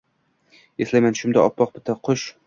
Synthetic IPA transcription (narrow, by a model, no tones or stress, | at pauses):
eslajmanʃʊmd̪aɒpʰːɒq̚bɪt̪ʰaqʰoʃ